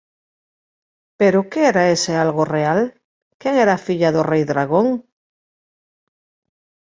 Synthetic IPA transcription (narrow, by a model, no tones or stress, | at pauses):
peɾʊkeeɾaesealɣoreal | keŋeɾafiʎaðorejðɾaɣoŋ